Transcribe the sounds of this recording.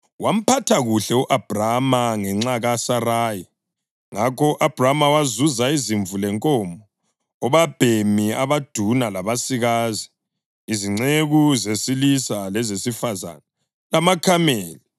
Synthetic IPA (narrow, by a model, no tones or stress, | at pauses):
wam̩pʰatʰaɣuɬɛuʔab̥ʱramaŋɛŋ͡ǁaɣasaraːji | ŋakʰɔʔab̥ʱramawazuzaiziɱvulɛŋkʼɔmbɔː | βab̥ʱemiaβad̥ʱunalaβasiɣazi | iziŋ͡ǀeɣuzesilisalɛzesifaza̰na | lamakʰameːli